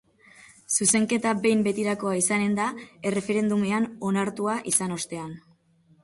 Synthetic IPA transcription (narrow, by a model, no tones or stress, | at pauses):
suse̞ŋke̞t̪abe̞jmbe̞t̪iɾako̞aisane̞nd̪ae̞re̞fe̞ɾe̞nd̪ume̞ano̞naɾt̪uaʔisano̞st̪e̞an